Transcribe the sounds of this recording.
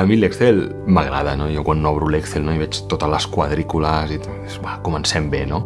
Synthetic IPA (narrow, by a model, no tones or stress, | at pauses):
əmilɛksθel | məɣ̞ɾa̰ðənojokwanːɔβ̞ɾulɛksθelnoiβɛt͡ʃt̪ot̪ələskwaðɾikuləzit̪ | esbakumənsɛmbeno